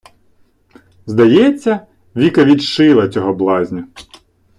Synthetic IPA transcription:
zd̪ɐjɛt͡sʲːɐ | ʋʲikɐʋʲid̪ʃɪlˠɐt͡sʲɔɦɔblˠɑzʲnʲɐ

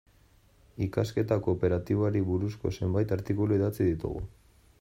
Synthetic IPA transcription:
ikaske̞t̪ako̞pe̞ɾat̪iβoaɾiβuɾusko̞̰se̞mbajt̪aɾt̪ikuluiðat͡siðit̪ṵɣṵ

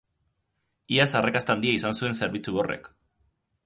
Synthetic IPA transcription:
iasarakast̪and̪iaisansue̞nse̞ɾβit͡suβo̞re̞̰k

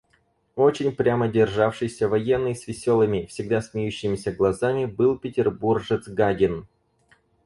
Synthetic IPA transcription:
o̞t͡ɕɪnʲpɾʲamədʲɪrʐafʂɨjsʲəvɐjɛnːɨjsvʲɪsʲo̞lˠɨmʲɪfsʲɪɡ̚d̪asmʲɪjʉɕːɪmʲɪsʲəɡlˠɐzamʲɪbɨlˠpʲɪtʲɪrburʐɨt̪zɡaɡʲɪn

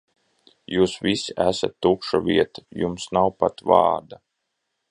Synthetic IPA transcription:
juːsvisiæsat̪ːukʃuvʲiɛt̪ujumsnawpat̪vɑ̰ːɾd̪a

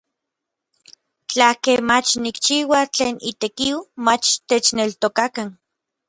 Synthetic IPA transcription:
t͡ɬakemat͡ʃnikt͡ʃiːwat͡ɬeːnit̪ekiwmat͡ʃt̪et͡ʃnelt̪okakan

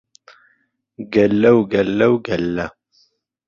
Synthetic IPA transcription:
ɡɐlːɐwɡɐlːɐwɡɐlːɐ

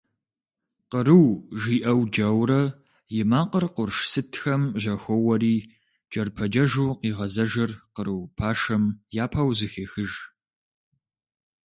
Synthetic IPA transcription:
qəɾɨwʒiːʔɐwd͡ʒɐwɾɐ | jɪmaːqərqʷʊrʃsɨtʰxɐmʒɐxʷɔwɐɾiː | d͡ʒɐrpʰɐd͡ʒɐʒuːqiːʁɐzɐʒɐrqəɾɨwpʰaːʃɐmjaːpʰaːwzɨxeːxɨʒ

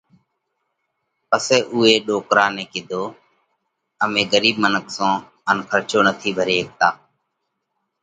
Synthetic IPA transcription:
pəsɛːʔuːeːɗoːkɾaːnẽːkɪd̪ʱoː | əmẽːɡəɾiːbmənəksõː | ənkʰəɾt͡ʃʰoːnət̪ʰiːbʱəɾeːk̚t̪aː

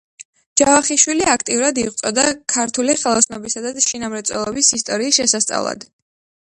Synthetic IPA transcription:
d͡ʒ̥avaχiʃwiliak̚ʰt̪ʼiuɾad̪iʁt̪sʼɔd̪akʰaɾt̪ʰuliχɛlˠɔsnɔbisad̪aʃinamɾɛt̪sʼwɛ̰lˠɔbisist̪ʼɔɾiːsʃɛsast̪sʼa̰vlˠa̰d̪̥

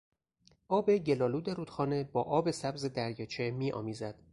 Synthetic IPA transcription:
ʔɒːbe̞ɟe̞lɒːluːd̪eɾuːd̪xɒːne̞bɒːʔɒːbe̞sæbze̞d̪æɾjɒːt͡ʃʰemiːʔɒ̰ːmiːzæd̪̥

